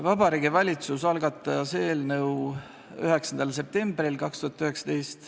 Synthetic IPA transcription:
vɑbɑɾiːɡivɑlʲit̪susɑlɡɑt̪ˑːɑseːlnɤw | yɦeksɑnd̪ɑlse̞p̚t̪e̞mbrilkɑkst̪uhɑt̪ːˑyhe̞ksɑ̥t̪e̞jst̪

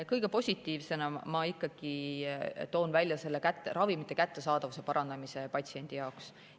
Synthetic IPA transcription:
kɤjɡ̥e̞po̞sʲit̪ːˑiːvse̞nɑmɑikːɑɡ̥i | t̪o̞ːnvælʲjɑse̞lːekæt̪ːˑerʔɑvimit̪ˑːe̞kæt̪ːe̞sɑːd̪̥ɑvuse̞pɑɾʔɑnd̪ɑmise̞pɑt̪sie̞nʲd̪̥ijɑoks

